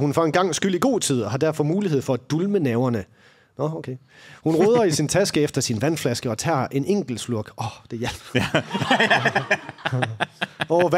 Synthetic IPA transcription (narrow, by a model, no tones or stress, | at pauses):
hunfɒenɡ̥ɑ̈ŋ̰sɡ̥yl̰iɡ̥o̝̰ːt͡sʰið̞̰ˠɒɦɑ̈d̥æɐ̰fɒ̽muːliheð̰ˠfɒ̽æd̥ulmənɛʊɐnə | nɒokʰeː | hunʁoːð̞ˠɐisint͡sʰæsɡ̥əefd̥ɐsinʋænflæsɡ̥əɒ̽t͡sʰæ̰ɐʔe̝neŋ̰ɡ̥l̩sluɐɡ̥ɒd̥e̝jælb̥ | ɒʋ